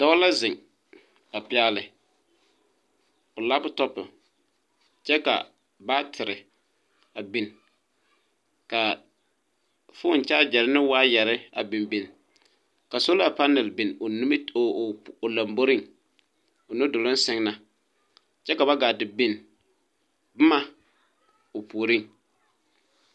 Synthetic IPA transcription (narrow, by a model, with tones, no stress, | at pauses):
d̥ɔ˦la˦zɪ˨ŋ | a˨pɪ˦a˦lɪ˨ | ʊ˨la˦ptɔ˦pɪ̰˨ | t͡ʃɛ˦ka̰˨ | ba˦tʰɪ˨ɾɪ˨ | a˨bi˦n | ka˨ | fʊ˦n˨t͡ʃaː˦d͡ʒɛ˨ɾɪ˦nɪ˦waː˦jɛ˨ɾɪ˦a̰˨bi˨mbi˨n | ka˨so˦la˨pa˦nɛ˨lbɪ˨n˨˦˨ʊ˨la˨mbo˦ɾɪ˦˨ŋ | ʊ˨nʊ˦dʊ˨lɪ˦sɪ˦ŋna˨ | t͡ʃɛ˦ka˨βa˦ɡaː˨dɪ˨bɪ˦n | bʊ˦ma˦ | o˨pu˨o˨ɾɪ˦ŋ